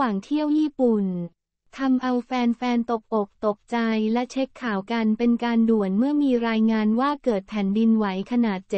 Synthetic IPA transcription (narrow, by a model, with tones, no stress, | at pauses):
waː˨˩ŋt̪ʰi˥˩əwjiː˥˩pu˨˩n | t̪ʰa˧mʔa˧wfɛː˧nfɛː˧nt̪o˨˩p̚ʔo˨˩k̚t̪o˨˩p̚t͡ɕa˧jlɛ˦˥t͡ɕʰe˦˥kʰːaː˨˩˦wka˧npe˧nkaː˧ndu˨˩ənmɯ˥˩ɐmiː˧ɾaː˧jŋaː˧nwaː˥˩kɤː˨˩t̪̚pʰɛ˩˦ndi˧nwa˩˦jkʰa˧naː˨˩t̪̚t͡ɕ